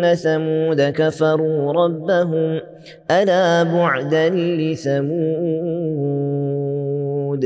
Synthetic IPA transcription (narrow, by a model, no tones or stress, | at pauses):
nːaθamuːd̪akafɑɾˤuːɾˤɑbːaɦʊm | ʔalaːbʊʕd̪allɪθamuː | d̪